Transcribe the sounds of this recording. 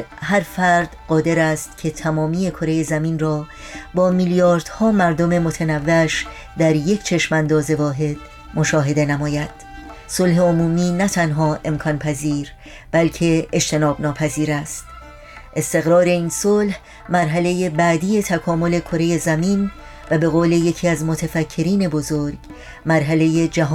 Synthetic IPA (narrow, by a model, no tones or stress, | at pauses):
hæɾfæɾd̪̥ɢɒːd̪e̞ɾæst̪cʰe̞t̪ʰæmɒːmiːje̞kʰo̞ɾe̞je̞zæmiːnrɒː | bɒːmiljɒːɾd̪̥hɒːmæɾd̪o̞me̞mo̞t̪ʰænævːeæʃ | d̪æɾjecʰt͡ʃʰe̞ʃmænd̪ɒːze̞vɒːɦe̞d̪̥ | mo̞ʃɒːɦe̞d̪e̞næmɒːjæd̪̥ | so̞lɦe̞omuːmiːnæt̪ʰænɦɒːʔe̞mkʰɒnpʰæziːɾ | b̥ælcʰe̞ed͡ʒt̪e̞nɒːbnɒːpʰæziːɾæst̪̚ | ʔe̞st̪e̞ɣɾɒːɾe̞iːnsolh | mæɾɦæle̞jebæd̪ije̞t̪ʰækʰɒːmo̞le̞kʰo̞ɾe̞je̞zæmiːn | væbe̞ɣoːle̞je̞cʰiːæzmo̞t̪ʰefæcʰːe̞ɾiːne̞bo̞zoɾɡ | mæɾɦæle̞jed͡ʒæɦ